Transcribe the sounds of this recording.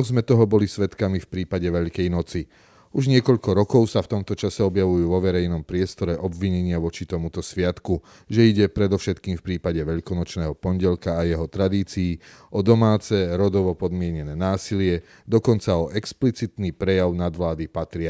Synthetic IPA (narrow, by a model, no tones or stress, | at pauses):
ɔzmɛt̪ɔɦɔbɔlisʋɛt̪kamifpɾiːpaɟɛʋɛʎkɛjnɔt͡si | uʒɲɪɛkɔʎkɔɾɔkɔʊsaft̪ɔmt̪ɔt͡ʃasɛɔbjaʋujuːʋɔʋɛɾɛjnɔmpɾɪɛst̪ɔɾɛʔɔbʋiɲɛɲɪaʋɔt͡ʃit̪ɔmut̪ɔsʋɪat̪ku | ʒɛiɟɛpɾɛd̪ɔfʃɛt̪kiːmfpɾiːpaɟɛʋɛʎkɔnɔt͡ʃnɛːɦɔpɔɲɟɛlkaːjɛɦɔt̪ɾad̪iːt͡siː | ʔɔd̪ɔmaːt͡sɛɾɔd̪ɔʋɔpɔd̪mɪɛɲɛnɛːnaːsilɪɛ | d̪ɔkɔnt͡saɔʔɛksplit͡sit̪nipɾɛjaʊnad̪ʋlaːd̪ipat̪ɾɪa